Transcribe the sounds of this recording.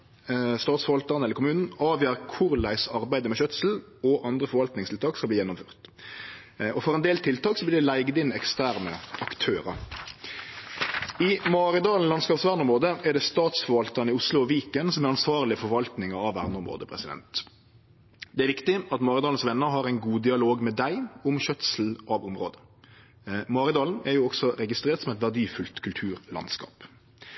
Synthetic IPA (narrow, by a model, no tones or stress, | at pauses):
st̪ɑːt̪sfɔɾʋɑlt̪əʁnɛlːəɾkʰʊmʉːnn̩ɑːʋjæːʁkʰʊʁlæɪsɑʁbæɪd̪əmɛɕœt̪sl̩ɔʔɑnd̪ʁəfɔɾʋɑlt̪nɪŋst̪ʰɪlt̪ɑːkskɑlbliːjɛnːʊmfø̰ːʁt̪ | ɔfɔɾɛnd̪eːlt̪ʰɪlt̪ʰɑːksɔblɪːd̪ɛlæɪɡd̪ɪnɛkst̪æːʁnə̰ʔɑkt̪ʰøːɾə̰ɾ | ɪmɑːʁɪd̪ɑːln̩lɑnskɑːpsʋæːʁnɔmʁoːd̪əɛʁdɖ̪ɛst̪ɑːt̪sfɔɾʋɑlt̪ənɪʊslʊɔʋiːkənsɔmæɾɑnsʋɑːʁlɪəfɔʋɑlt̪nɪŋəɾɑʋʋæ̰ʁnʊmʁo̰ːd̪əpʰɾɛ̰sɪd̪ɛ̰nt̪ | d̪ɛæɾʋɪkt̪ɪɑt̪mɑːʁɪd̪ɑːln̩sʋɛnːəɾɦɑʁæɪnɡuːd̪ɪɑloːɡmɛd̪æɪʊmçœt̪sl̩ʔɑʋʊmʁo̰ːd̪ə | mɑːɾɪd̪ɑːln̩æɾjuːɔɡsɔɾɛɡɪst̪ɾeːʁt̪sɔmɛɪt̪ʋæʁɖ̪iːfʉlt̪kʰʉlt̪ʰʉːʁlɑ̰nskɑ̰ːp